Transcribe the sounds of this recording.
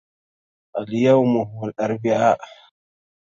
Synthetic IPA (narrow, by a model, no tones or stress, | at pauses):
ʔaljawmʊɦwalʔaɾˤbɪʕa